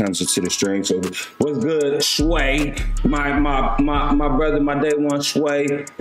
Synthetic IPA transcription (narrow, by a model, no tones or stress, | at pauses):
ãɪ̃mzɨtʰɨɾɨstɹ̥ĩŋsoʊwʌzɡʊdsweɪmaɪmaɪmaɪmaɪbɹʌðə˞maɪdɛd̚wʌ̃nsweɪ